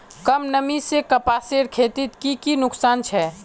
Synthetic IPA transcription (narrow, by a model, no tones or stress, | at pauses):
kəmnəmisekəpaːseːɽkʰeːt̪ɪt̪kikinʊksaːnt͡ʃʰɛ